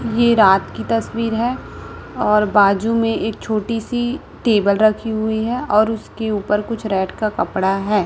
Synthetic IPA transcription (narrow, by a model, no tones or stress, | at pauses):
jeɾaːt̪kit̪ɐswiːɾɦɛːɔːɾbaːd͡ʒumẽʔeːk̚t͡ʃʰoːʈisi | ʈeːbəlɾɐkʰiɦʊiɦɛɔːɾʊskeuːpəɾkʊt͡ʃʰɾɛːʈkakɐpɽaɦɛː